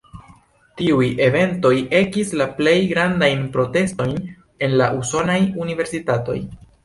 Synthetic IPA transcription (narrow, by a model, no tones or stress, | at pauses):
tiuje̞ve̞nto̞je̞kislaple̞jɡɾandajnpɾo̞te̞sto̞jn | e̞nlaʔuso̞najunive̞ɾsitato̞̰j